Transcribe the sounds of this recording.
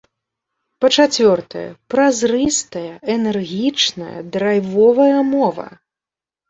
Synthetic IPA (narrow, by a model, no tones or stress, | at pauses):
pɐt͡ʂat͡sʲvʲɔrt̪ɐ̰jɐ̰pɾazrɨst̪ɐjɐɛnɛrɣʲit͡ʂnɐ̰jɐ̰d̪ɾajvɔvɐjɐmɔvɐ̰